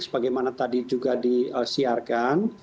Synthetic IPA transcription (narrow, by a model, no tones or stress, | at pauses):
sə̥baɡajmanat̪adid͡ʒuɡadiəsiarkan